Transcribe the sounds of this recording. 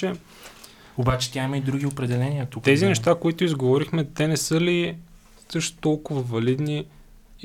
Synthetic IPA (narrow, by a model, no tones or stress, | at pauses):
ɛ | obat͡ʃɛ̥t̪ʲjaiməid̪ɾuɡʲiopɾɛd̪ɛlɛniət̪ukt̪ɛzinɛʃt̪akoit̪ʊizɡovɔɾixmɛt̪ɛnɛsɤli | sɤʃt̪t̪ɔlˠkʊvəvɐlid̪ni